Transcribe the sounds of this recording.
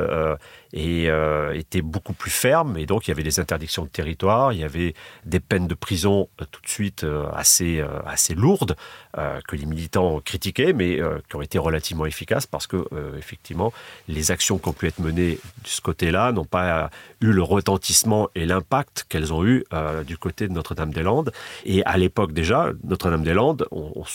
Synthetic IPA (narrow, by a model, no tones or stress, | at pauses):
øeøet̪ɛbokuplyfɛʁmed̪ɔ̃kiljavɛd̪ezɛ̃t̪ɛʁd̪iksjɔ̃d̪ət̪eʁit̪waʁiljavɛd̪epɛnd̪əpχizɔ̃t̪u̥t̪sɥit̪ʰøa̰seø̰a̰seluʁd̪ø̰kəlemilit̪ɑ̃ɔ̃kχit̪ikʲɛmɛøkʲiɔ̃et̪eʁəlat̪ivmɑ̃efikʲaspa̰ʁsə̥kəøefɛk̚t̪ivmɑ̃lezaksjɔ̃kʲiɔ̃pyɛt̪χməned̪əsə̥kot̪elanɔ̃payləʁət̪ɑ̃t̪ismɑ̃ʔelɛ̃pak̚t̪kɛlzɔ̃yød̪ykot̪ed̪ənɔt̪χəd̪amd̪elɑ̃d̪ea̰lepɔk̚d̪eʒanɔt̪χəd̪amd̪elɑ̃d̪ɔ̰̃